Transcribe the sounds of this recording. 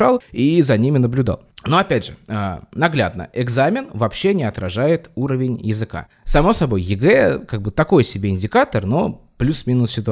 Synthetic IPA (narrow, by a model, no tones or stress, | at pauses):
alˠizɐnʲimʲɪnəblʲʊd̪a̰lˠnoɐpʲædʲʐɨənɐɡlʲa̰d̪nə̰ʔɪɡzamʲɪnvɐpɕːe̞nʲɪɐt̪ɾɐʐajɪt̪uɾəvʲɪnʲjɪzɨka̰ | sɐmo̞sɐbo̞jjɪɡɛkaɡ̚bɨt̪ɐko̞jsʲɪbʲeɪnʲdʲɪkat̪ərno̞plʲusmʲinʊssʲɪt̪ʊ